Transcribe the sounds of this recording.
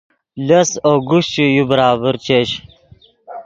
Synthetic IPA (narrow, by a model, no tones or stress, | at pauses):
lɐsoːɡuɕt͡ɕujubəɾaːbəɾt͡ɕeɕ